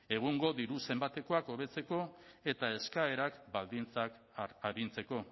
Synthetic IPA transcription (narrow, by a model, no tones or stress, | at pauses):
e̞ɣ̞uŋɡo̞ðiɾuse̞mbat̪e̞ko̞ako̞β̞e̞t͡se̞ko̞e̞t̪ae̞skaeɾakbald̪int͡sak | aɾint͡se̞ko̞